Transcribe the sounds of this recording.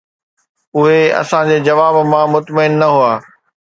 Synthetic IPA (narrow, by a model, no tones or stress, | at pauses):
ʊɦeɐ̰sãd͡ʑeːd͡ʑɐʋaːbmãmʊt̪məɪnːɐɦuaː